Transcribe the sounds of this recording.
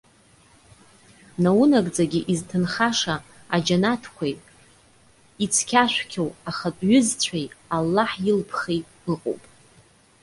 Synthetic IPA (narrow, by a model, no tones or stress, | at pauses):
nawunakʼd͡zaɡʲiʔiztʰɨnχaʂaː | d͡ʒanatʰkʷʰajʼ | it͡sʰkʲʰaʃʷkʲʰowaχatʷʼɥʏzt͡ɕʷʰajalːaħjɪlpʰχejtʼɨqʼo̰wpʼ